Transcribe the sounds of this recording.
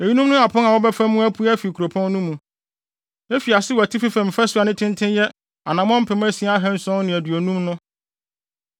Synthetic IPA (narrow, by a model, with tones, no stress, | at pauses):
e˨ji˦nũ˦mnʊ̃˦a˨pʰʊ̃˦na˨wɔ˦bɛ˦fæ̃˦mːũ˦æ˦pʰu˦æ˦fi˨kʰu˨ɾo˨pʰɔ̃˦nː˦nũ˦mũ˨ | e˦fi˨a˨sɪ˦wæ˨tʰi˦fi˦fæ̃˨m̩˨fɛ˦sʊ˦a˨nɪ̃˦tʰɪ̃˦ntʰɪ̃˦njɛ˦ | a˨nã˨m˦ɔ̃˦m̩˦pʰɛ̃˨mæ̃˦si˦a˦a˦ɦɛ̃˦n̩˦sɔ̃˦nɪ̃˨æ˨dɥo˨nũ˦mnʊ̃˦